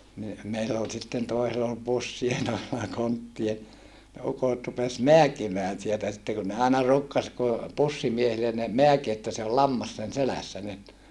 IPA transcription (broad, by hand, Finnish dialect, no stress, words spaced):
ni meilː ol sitːen toisel ol pusːie toiselːɑ kontːie ne ukot rupes meækimæːn sieltæ sitːe kun ne ɑinɑ ruːkːɑs ku pusːimiehilen ne meæki etːæ se ol lɑmːɑs sen selæsːæ nyt